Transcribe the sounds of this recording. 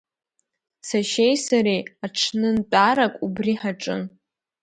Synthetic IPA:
saʃejsaɾejaʈ͡ʂʰnɨntʼaɾakʷʼubriħaʈ͡ʂʼɨ̰n

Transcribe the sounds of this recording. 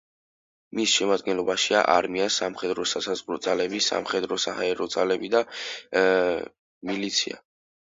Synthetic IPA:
misʃɛmad̪̚ɡɛnlˠɔbaʃia̰ʔaɾmiasamχɛd̪ɾɔsasazʁɾɔd̪z̥ʼalɛbisa̰mχɛd̪ɾɔsahaɛɾɔd̪zalɛbid̪a | milit̪sʰia̰

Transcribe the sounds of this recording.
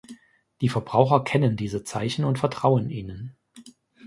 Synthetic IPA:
d̥iːfɛɐbʁaʊxɐkʰɛnəndiːzət͡sa̰ɪçn̩ʊntfɛɐtʁ̥aʊənʔiːnən

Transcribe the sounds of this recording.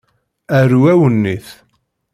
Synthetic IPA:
æɾwæwənːiθ

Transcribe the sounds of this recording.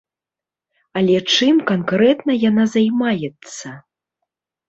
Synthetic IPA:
ɐlʲɛt͡ʂɨmkankɾɛt̪nɐjanazajmajɛt̪sːɐ

